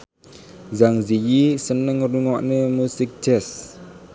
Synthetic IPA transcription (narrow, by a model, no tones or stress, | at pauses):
zaŋzijisənəŋruŋɔʔnəmusik̚tɛs